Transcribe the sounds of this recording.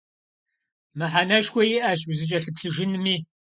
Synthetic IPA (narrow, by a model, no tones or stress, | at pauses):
mɨħanɐʃkʷʰɔjiʔɐʃzɨt͡ʃʼɐɬɨpɬɨʒɨnɨmiː